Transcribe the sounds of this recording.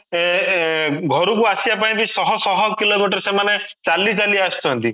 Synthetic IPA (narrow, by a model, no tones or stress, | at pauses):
e | ɡʱɔɾukuasibap̬aĩbisɔɦɔsɔɦɔkilomiʈ̬ɔɾsemanet͡ʃalit͡ʃaliaast̪ʰɔɦɔnt̪i